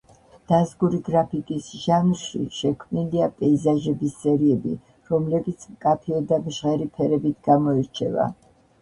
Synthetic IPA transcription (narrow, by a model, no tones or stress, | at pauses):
d̪̥azɡuɾiɡɾapʰikʼisʒ̥anɾʃḭʃɛkʰvmniliapʼɛizaʒɛbisːɛɾiɛbḭ | ɾɔmlɛbit̪sʰmkʼapʰiɛd̪amʒʁɛɾipʰɛɾɛbit̪ʰɡamɔɛɾt͡ʃʰɛva̰